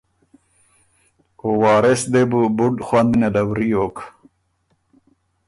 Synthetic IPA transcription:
owɑːɾesd̪ebubuɖxwand̪ned̪awɾijok

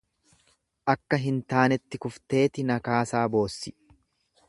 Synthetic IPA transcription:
ʔɐkːɐɦɪnt̪aːnɛt̪ːɪkʊft̪e̞ːt̪ɪnɐkaːsaːbo̞ːsːɪ

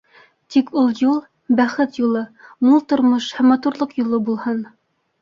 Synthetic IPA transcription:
t̪ikulˠjulˠ | bæχɘt̪julˠɤmulˠt̪ŏɾmoʃhæmːɑt̪uɾlˠɤqjulˠɤbulˠhɤn

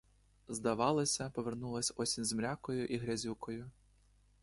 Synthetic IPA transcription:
zd̪ɐʋɑlˠɐsʲɐpɔʋernulˠɐsʲɔsʲinʲzmɾʲakɔjʊʔiɦɾʲɐzʲukɔjʊ

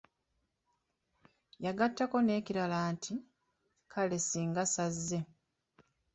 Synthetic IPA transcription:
jaɡatːako̞ne̞ːciɾalaːntʰi | kʰalesiːŋɡasazːe̞

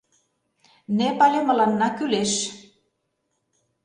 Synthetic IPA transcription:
nepɑlʲemə̆lɑnːɑkyleʃ

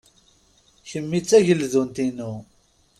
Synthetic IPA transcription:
çəmːit͡sːæʝəlðunt̪inu

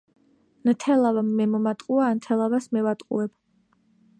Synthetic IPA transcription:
nt̪ʰɛlˠavamːɛmɔmat̪ʼqʼuaːnt̪ʰɛlˠavasmɛvat̪ʼqʼṵɛb̥

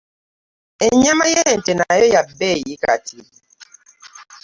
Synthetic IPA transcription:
eɲamajɛɛn̩tɛnajɔjabɛjika̰ti

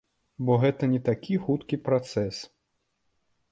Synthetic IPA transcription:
bɔɣɛt̪ɐnʲɛt̪akʲʰixut̪kʲipɾat̪sɛs

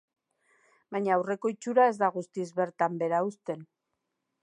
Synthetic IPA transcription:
baɲaːwre̞ko̞it͡ʃuɾae̞zd̪aɣust̪izβe̞ɾt̪ambe̞ɾaust̪e̞n

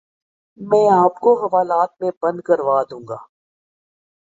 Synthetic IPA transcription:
mɛ̃ːəb̚koːxəʋaːlaːt̪̚mẽbə̃nd̪̚kəɾʋaːd̪ũːŋɡaː

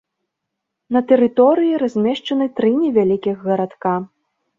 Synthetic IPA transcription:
nɐt̪ɛɾɨt̪ɔɾɨjiɾazʲmʲɛʂt͡ʂɐnɨt̪ɾɨnʲɛvʲalʲikʲiɣɣɐɾat̪ka

